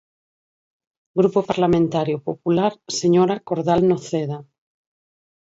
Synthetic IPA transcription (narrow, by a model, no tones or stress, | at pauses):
ɡɾupopaɾlamẽnt̪aɾjopopulaɾseɲoɾakoɾðalnoθeða